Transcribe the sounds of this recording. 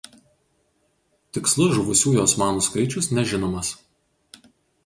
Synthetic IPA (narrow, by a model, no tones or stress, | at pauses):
t̪ʲɪkslˠʊʒʊʋʊsʲuːjoːsmɑːnoːskɐɪt͡ʃʲʊsnʲɛʒʲɪnoːmɐs